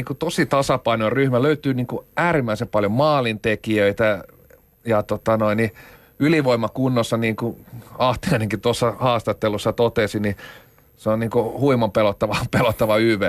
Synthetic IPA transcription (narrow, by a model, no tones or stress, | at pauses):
iːŋkut̪osit̪ɑsɑpɑinoiryhmæløyt̪yːniːŋkuʔæːrimːæisempɑljommɑːlint̪ekiøit̪æ | jɑt̪ot̪ɑnoini | yliʋoimɑkunːosːɑniːŋkuɑht̪iɑineŋkit̪osːɑhɑːst̪ɑt̪ːelusːɑt̪ot̪esini | seonniːŋkuhuimompelot̪ːɑʋɑpelot̪ːɑʋɑyʋæ